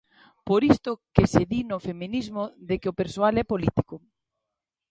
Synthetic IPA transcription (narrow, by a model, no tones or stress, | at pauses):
poɾist̪ʊkeseðinofemĩnizmoðekeopeɾsoalɛpolit̪i̥kʊ